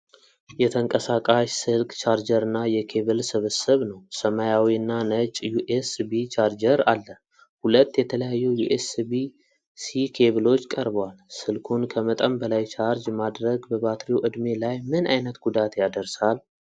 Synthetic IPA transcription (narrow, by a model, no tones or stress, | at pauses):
jɛt̪ʰəŋkʼəsakʼaʃsɨlkʼt͡ʃʰaɾd͡ʒəɾɨnːajɛkʰe̞βɨlsɨβəsəβnəwsəmajawiɨnːanət͡ʃʼjuʔesbit͡ʃʰaɾd͡ʒəɾalːə | hulət̪ːjɛt̪ʰələjajːujuʔesbi | sikʰe̞βɨlo̞t͡ʃːkʼəɾbəwalsɨlkʰunkʰəmət̪ʼəmbəlajt͡ʃʰaɾd͡ʒmad̪ɾəɡbəbat̪ʰɾiwʔɨd̪me̞lajmɨna̰jnət̪ɡud̪at̪jad̪əɾsal